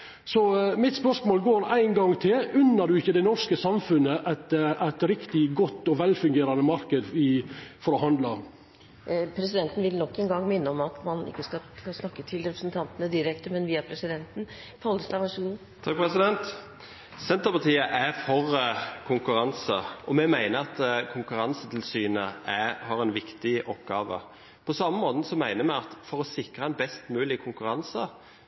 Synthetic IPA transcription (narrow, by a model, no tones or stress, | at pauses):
sɔmɪt̪spœʂmoːlɡoːæɪnɡɑŋt̪ʰɪlʉnːəd̪ʉɪçːəd̪ɛɪnɔskəsɑmfʉnːəʔæt̪ʔæɪt̪ɾɪkt̪ɪɡɔt̪ːɔʋɛlfʉŋɡeːɾɑnəmɑɾkəd̪ɪfɔɾɔhɑnd̪lɑ | pʰɾɛs̬ɪd̪ɛnt̪n̩ʋɪlnɔkːɛnɡɑŋːmɪnːəɔmɑt̪mɑnɪ̰kːəskɑkɑsnɑkːət̪ʰɪlɾɛpɾəsnt̪ʰɑnt̪ənəd̪ɪɾɛkt̪əmɛnʋiːɑpʰɾɛsɪd̪ɛnt̪n̩ | pʰɔld̪əslɑʋæʂuːn̩ | t̪ʰɑːkpʰɾɛsɪd̪ɛnt̪ | sɛnt̪əɾpɑt̪ʰiːəʔæfɔʁkʰʊŋkʉɾɑnsəʔɔmɛmæɪnəɑt̪kʰʊŋkʉɾɑnsət̪ʰɪlsyːnəʔæhɑʁɛnʋɪkt̪ɪʔɔpɡɑːʋə̰ | pʰɔsɑmːəmoːt̪n̩sɔmæɪnəmæɑt̪fɔɾɔsɪkɾəɛnbɛst̪mʉːlɪkʰʊŋkʉɾɑnsə